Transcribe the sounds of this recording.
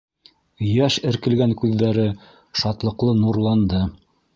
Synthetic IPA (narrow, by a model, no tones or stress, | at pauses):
jæʃɘ̆ɾkɘ̆lɡæŋkʉðːæɾɘ | ʃɑt̪lˠɤ̆qlˠɤnuɾlˠɑnd̪ɤ